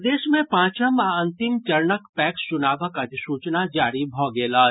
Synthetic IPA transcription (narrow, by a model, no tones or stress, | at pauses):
d̪eːʃmẽpãːt͡ʃəmaɐ̃nt̪ɪmt͡ʃɐɾnəkpɛːkst͡ʃʊnaːbəkət̪suːt͡ʃnad͡ʒaːɾibʱɔːɡeːlaː